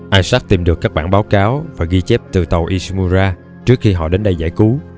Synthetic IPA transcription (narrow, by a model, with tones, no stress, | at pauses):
ʔaː˧jsa˦˥k̚t̪i˨˩mɗɨ˨˩kːaː˦˥k̚ɓaː˧˩nɓaː˨˦wkaː˨˦wvaː˨˩ɣi˧t͡ɕɛ˦˥p̚t̪ɨ˨˩t̪ə˨˩wʔi˧smu˧zaː˧ | t͡ɕɨ˦˥ək̚xi˧ɦɔ̰˧˨ɗe˨˦nɗə˧jza̰ː˧˩jku˨˦